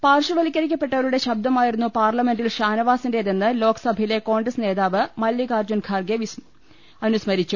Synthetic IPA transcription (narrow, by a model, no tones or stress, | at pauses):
paːrʂɐʋɐlikʲːɐɾikʲːɐpːe̞ʈːɐʋɐɾuɽe̞ɕɐb̚d̪ɐmaːjiɾunːupaːrlɐme̞nɖilɕaːnɐʋaːsinde̞ðenːɨlo̞ːkɐ̥sɐbʱɐjile̞ko̞ːɳɡresne̞ːðaːʋɨmɐlːjɐkaːrd͡ʑunɡʰʱaːrɡe | ɐnusmɐɾit͡ɕːu